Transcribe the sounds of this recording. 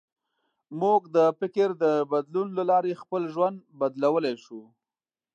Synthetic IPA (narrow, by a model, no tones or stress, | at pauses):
muɡd̪əfɪkɪɾd̪əbad̪lunlalɑɾexpəlʒwand̪bad̪lawəlajʃu